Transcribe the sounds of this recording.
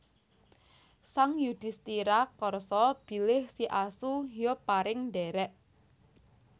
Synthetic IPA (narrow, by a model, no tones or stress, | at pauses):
saŋjud̪̥ɪst̪iɾakɔrsɔb̥i̤lɪhsiʔasujopaɾɪŋɖɛɾɛʔ